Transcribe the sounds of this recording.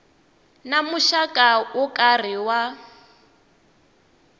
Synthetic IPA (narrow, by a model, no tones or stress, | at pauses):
namuʃakʼaʊkʼar̤iwa